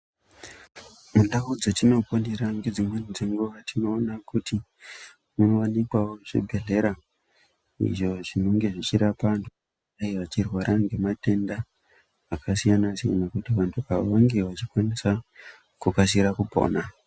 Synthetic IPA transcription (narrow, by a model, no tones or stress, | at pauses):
mundaud͡zotino̞pondeɾaŋɡed͡zimwenid͡zeŋɡuʋatino̞ːnakuti | muno̞ʋanikwawoʐḛbʱe̞ɮe̞ɾa | ḭʐo̞ʐino̞ŋɡe̞ʐit͡ʃiɾapantʰu | aiʋat͡ʃirwaɾʔaŋɡe̞mate̞ndaː | kasijanasija̰nakutiʋantʰuaʋaʋaŋɡeʋat͡ʃikwanisa | kukas̬iɾakupo̞̰ːna